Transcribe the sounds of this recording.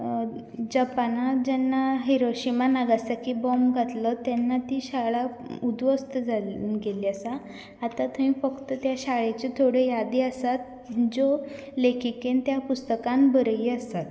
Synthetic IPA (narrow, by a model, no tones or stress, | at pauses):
d͡ʑəpanad͡ʑɛnːaɦiɾoɕimanaɡasakibɔmɡʱat̪lət̪jɛnːat̪iɕaɭaud̪ʋəst̪əd͡zalunɡeliasaː | t̪at̪ʰəʋĩfəkt̪ət̪jaɕaɭet͡ɕet̪ʰoɽejad̪iəsat̪̚ | d͡zo | lekʰikent̪japust̪əkãnbəɾiːəsat̪